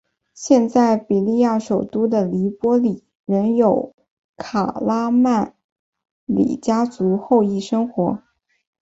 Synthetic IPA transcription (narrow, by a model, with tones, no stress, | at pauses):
ɕjɛ˥˧nt͡sa˥˩ɪpi˨˩li˥˧ja˥˩ʂo˨˩ʊt̪u˥d̪ə˨li˧˥pwɔ˥li˨˩˦ | ɻə˧˥njo˨˩ʊ | kʰa˨˩la˥ma˥˩n | lḭ˨˩t͡ɕja˥t͡su˧˥xo˥˧ʊi˥˩ʂɤ˥ŋxwɔ˧˥